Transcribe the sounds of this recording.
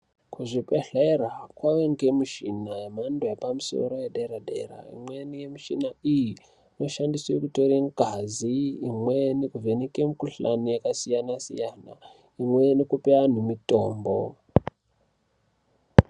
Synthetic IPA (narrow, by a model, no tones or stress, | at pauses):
kuʐipeɬerakwaweŋɡemuʃinajemandojepamuso̰ɾo̞jedeɾadʱeɾa̰ḭmwenijemiʃinaiji | ino̞ʃandiswekuto̞ɾiŋɡʱaziːmwenekuvʱenekemikuɬa̰nijakasijanasḭjana̰ | imwe̞nekupean̤umito̞ːmbo̰